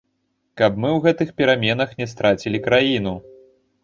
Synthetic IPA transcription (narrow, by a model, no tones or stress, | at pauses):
kɐpmɨwɣɛt̪ɨxpʲɛɾamʲɛnɐxnʲɛs̬t̪ɾʔat͡sʲilʲikɾajinu